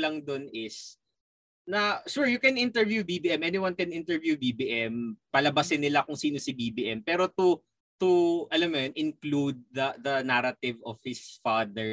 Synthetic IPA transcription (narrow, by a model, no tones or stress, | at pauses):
lɐŋd̪onɪs | nɐʃuɹjʊkɛnɪnt̪ɛɹvjubibiːʔɛmʔɛniwɐnkɛnʔɪnt̪ɛɹvjubibiːʔɛmpɐlɐbɐsɪnːɪlakʊŋsiːnosɪbibiʔɛmpɛːɾot̪u | t̪uʔɐlɐmːɐjonɪ̃nklud̪̚ːɐðɐnaɾɐt̪ɪvɔv̥hɪsfad̪ɛɹ